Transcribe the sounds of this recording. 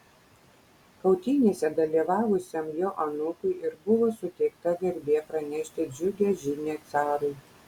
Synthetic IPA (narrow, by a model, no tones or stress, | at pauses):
kɐʊt̪ʲiːnʲeːsʲɛd̪ɐlʲiːʋɑːʋʊsʲɛmjoːʔɐnʊkʊɪʔɪɾbʊʋoːsʊt̪ʲɛɪkt̪ɐɡɐɾʲbʲeːpɾɐnʲɛʃʲt̪ʲɪd͡ʒʲʊɡʲɛʒʲɪnʲeːt̪sɑːɾʊɪ